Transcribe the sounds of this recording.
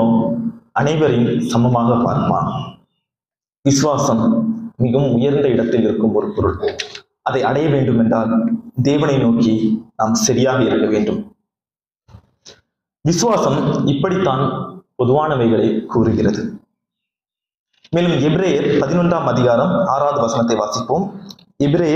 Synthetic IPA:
oːɐnɐɪʋɐɾɪnsɐmbɐmaːɣɐpːa̰ːɾkɐma̰ːn | ʋɪsɯʋaːsɐmːɪɣɐmʊjɐɾnd̪ɐɪɽɐt̪ːɪlɪɾɯkːɯmɔɾɯpɔɾɯ̰ɭ | ʔɐðɐɪɐɽɐjɐʋeːɳɖɯmɛndraːld̪eːʋɐnɐɪnoːkinaːmsɐɾɪjaːɣɐɪɾɯkːɐʋeːɳɖɯm | ʋɪsɯʋaːsɐmɪpːɐɽit̪ːaːnpɔðɯʋaːnɐʋɐɪɣɐɭɐɪkːuːɾɯɣɪrɐðɯ | meːlɯmɛbɪɾeːjɐɾpɐðɪnɔndraːmɐðɪɣaːɾɐmaːɾaːðɯʋɐsɐnɐt̪ːɐɪʋaːsɪpːoːm | ɛbɾeːj

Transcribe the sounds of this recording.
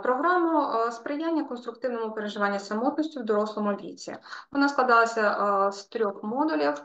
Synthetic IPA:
pɾɔɦɾamʊspɾɪjanʲːɐkɔnst̪ɾʊkt̪ɪwnɔmʊpeɾeʒɪʋɑnʲːɐsɐmɔt̪nɔsʲtʲʊwd̪ɔɾɔslˠɔmʊlʲḭt͡sʲḭʋɔnɑsklˠɐd̪ɑlˠɐsʲɐst̪ɾʲɔxmɔd̪ʊlʲiw

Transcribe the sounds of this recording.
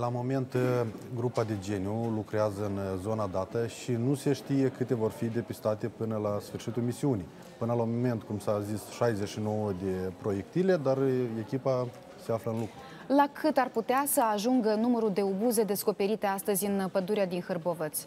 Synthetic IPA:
lamo̞me̞nt̪ɡɾupad̪e̞d͡ʒe̞niulukɾeazəɨnzo̞nad̪at̪əʃinuse̞ʃt̪ije̞kɨt̪e̞vo̞rfid̪e̞pist̪at̪e̞pɨnəlasfɨrʃit̪ulmisiunij | pɨnəlamome̞nt̪kumsazisʃajzeʃino̞wəd̪e̞pɾo̞je̞k̚t̪ile̞d̪are̞kʲipa | se̞afləɨnlukɾu | lakʰɨt̪arput̪easəaʒuŋɡənuməɾuld̪e̞obuze̞d̪e̞sko̞pe̞ɾit̪e̞ast̪əzʲɨnpəd̪uɾead̪inxərbovət̪sʲ

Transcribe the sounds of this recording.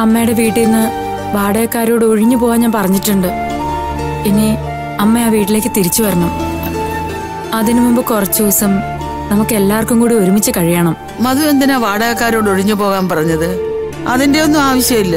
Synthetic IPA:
ɐmːejɽe̞ʋiːʈːilnːɨ | ʋaːɽɐɣɐkːaːɾo̞ːɽɨo̞ɻiɲːupo̞ːɣaːnɲaːnpɐrɐɲːiʈːuɳɖɨ | eŋːi | ɐmːeaːʋiːʈːile̞ːkːɨt̪iɾit͡ɕːuʋɐɾɐnːum | ɐðinɨmumbɨkurɐt͡ɕːuʋsɐm | nɐmukːɨe̞lːaːʋɐrkːumkuːɽio̞ɾumit͡ɕːɨkɐɻijaːɳɐm | mɐðumend̪inaʋaːɽɐɣɐkːaːɾo̞ːɽo̞ɻiɲːupo̞ːɣaːnpɐrɐɲːɐðɨ | ɐðinde̞o̞nːumaːʋɐɕjɐmilːɐ

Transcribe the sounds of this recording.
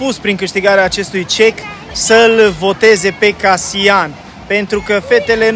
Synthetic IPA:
puspɾiŋkɨʃt̪iɡaɾeaːt͡ʃe̞st̪ujt͡ʃe̞k | səlvo̞t̪e̞ze̞pe̞kasian | pe̞nt̪ɾukəfe̞t̪e̞le̞

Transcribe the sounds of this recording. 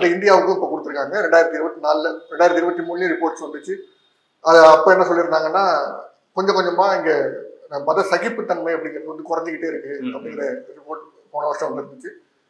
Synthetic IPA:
ɐnd̪ɐɪnd̪ɪjaːʋɯkːɯ̃ɪpːoːkʊɽɯt̪ːɯɾɯkːaːŋɡɐɾɛɳɖaːɪɾɐt̪ːiɪɾɯbɐt̪ːinaːlɾɛɳɖaːɪɾɐt̪ːiɪɾɯʋɐt̪ːimuːɭːĩɾɪpoːɾʈsʋɐnd̪ɯt͡ʃːɯ | ɐðɛɐpːoːɛnːɐsɔlːɪɾɯnd̪aːŋɡɐnːaː | kɔɲd͡ʒɐ̃kɔɲd͡ʒɐmaːɪŋɡepɐðɐsɐɣɪpːɯt̪ːɐnmɐɪɐpːɐɽɪŋɡɪɾɐðɯʋɐnd̪ɯkʊɾɐɲd͡ʒɯkɪʈːeːɪɾɯkːɯɐpːɽɐŋɡɪɾɐɾɪpoːɾʈ | moːnɐʋɐʂʈɾɐ̃ʋɐnd̪ɯɾɯnd̪ɯt͡ʃːɯ

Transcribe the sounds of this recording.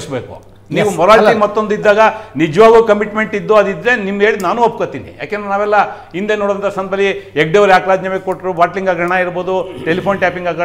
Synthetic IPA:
sbeːkṵ | niːʋumɔɾaːʈimɐt̪ːo̞nd̪id̪ːaːɡɐnid͡ʒɐʋaːɡuːkɐmiʈme̞ɳʈid̪ːuɐd̪id̪ɾe̞nimːeːɭid̪naːnuɐp̚kot̪iːnḭja̰ːkeɛnd̪ɾenaːʋɛlːɐ | ind̪eːnoːɽd̪ɐnt̪ʰɐsɐnbɐlːieɡ̚ɖeʋɐɾjaːkɾaːd͡ʒ̪ɲɐmekoʈːɾubaːʈliŋɡaːɡɐɳaiɾboːd̪uʈelipʰoːnʈaːpiŋɡaːɡ

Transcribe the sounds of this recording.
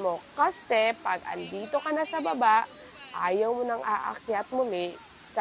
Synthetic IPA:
mo̞kɐsɛpɐɡɐ̰nd̪iːt̪o̞kɐnasɐbɐbaʔ | ʔa̰ːjɐwmonɐŋaːʔɐ̰kjat̪̚mʊlɛ | kɐ

